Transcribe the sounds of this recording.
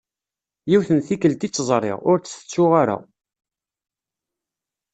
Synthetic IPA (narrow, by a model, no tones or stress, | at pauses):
jiwθənθikːəlt̪it͡sːzˤrˤɪ̰ʁʊɾt͡sːθə̥t͡sːʊʁaɾa̰